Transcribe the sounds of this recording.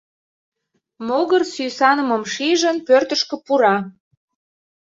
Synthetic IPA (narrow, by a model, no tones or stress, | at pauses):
moɣərsyjsɑnə̆mə̆mʃiʒənpørt̪əʃkə̆puɾɑ